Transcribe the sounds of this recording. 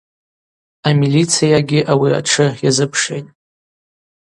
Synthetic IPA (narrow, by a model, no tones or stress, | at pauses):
amilit͡sʰijaɡʲɪʔawia̰ʈ͡ʂʰɨjazɨpʰʂḛjtʼ